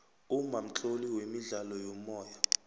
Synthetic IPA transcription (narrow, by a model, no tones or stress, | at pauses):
umam̩t͡ɬʼoliwemiɮalɔjɔmɔːja